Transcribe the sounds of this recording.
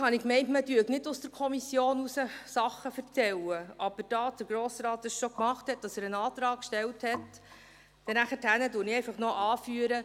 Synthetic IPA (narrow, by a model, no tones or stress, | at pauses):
hɑnɪkmɛɪntmədyəknɪdʊsd̥əɾkʰɔmisjoːnusəsɑχːəfəɾt̪t͡sɛləʔɑb̥əɾd̥ɑːsd̥əɾɡ̥ɾoːsɾɑːt̚d̥ɑsʃɔkmɑχthɛt̚d̥ɑsæːɾənɑːt̪ɾɑːk̚kʃtɛlthɛt | d̥ɛnæχəthænədʊɾnɪɛɪfɑχnɔʔɑːfyəɾə